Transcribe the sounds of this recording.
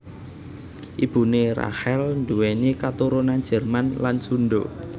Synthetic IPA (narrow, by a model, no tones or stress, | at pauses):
ʔib̥ṳnera̰hɛlnduwenikat̪uɾonan̥d͡ʒ̥ɛ̤rmanlansunɖo̰